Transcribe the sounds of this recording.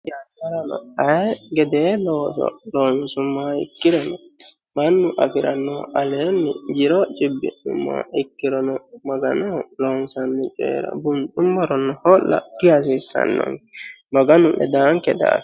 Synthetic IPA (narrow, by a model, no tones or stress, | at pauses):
d͡ʒat͡ʃaɾanɔaɛɡɛdɛlɔsɔ̰lɔnsumːaḭkːiɾɔnɔmanːuʔafiɾanːɔʔalɛnːid͡ʒiɾɔt͡ʃibːḭɗumːa̰ikːiɾɔnɔmaɡa̰nɔlɔnsanːut͡ʃɛ̰ɾa̰bunɗumbɔɾɔnːɔhɔlːa̰dias̬isa̰nːɔ̰ŋ | maɡanumbɛ̰daŋkɛda̰